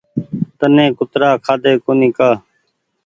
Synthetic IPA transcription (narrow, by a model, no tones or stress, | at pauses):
t̪ənẽːkʊt̪ɾaːkʰaːd̪eːkoːnĩːkaː